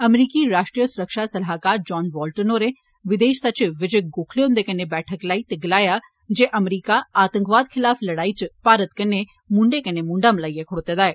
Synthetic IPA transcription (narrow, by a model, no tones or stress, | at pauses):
əmɾiːkiɾaːʃʈɾijəsʊɾəkʃaːsɐlaːkaːɾd͡ʒɔːnʋɔːlʈənoːɾeː | ʋɪd̪eːʃsɐt͡ʃʋɪd͡ʒɡoːkʰleːɦʊ̃nd̪eːkɐnebɛːʈʰəklaːit̪eɡɪlaːjaː | d͡ʒeːʔəmɾiːkaaːt̪ə̃ŋkʋaːd̪kʰɪlaːfʰlɐɽaːit͡ʃpaːɾət̪kɐne | mʊ̃ɳɖeːkɐnemʊ̃ɳɖaməlaːiekʰʊɽt̪eːd̪aːɛː